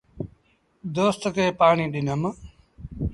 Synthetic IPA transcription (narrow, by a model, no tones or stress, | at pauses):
d̪oːst̪keːpaːɳiːɗɪnəm